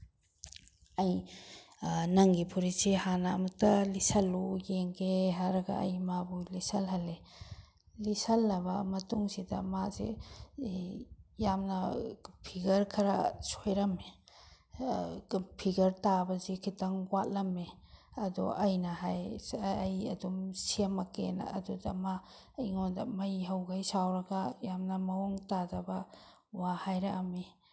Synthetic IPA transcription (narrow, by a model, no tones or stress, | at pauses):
aj | nɐŋɡipʰuɾisihanamutalisalujeŋɡeɦaɾɡa̰ʔa̰jmabujlisalɦale | lisalːɐbamɐtuŋsidamazḛ | jamnapʰiɡɐɾkʰaɾa̰sojɾamːe | pʰiɡɐɾtabɐzikʰitaŋwat̚lɐmːeɐdṵʔɐjnɐɦajːjɐdumsemɐkenɐ̰dudɐ̰ma | jiŋondɐmɐjɦɐwɡajsawɾɐɡɐjamnɐmɐoŋtadɐbɐ | wahajɾɐʔɐmi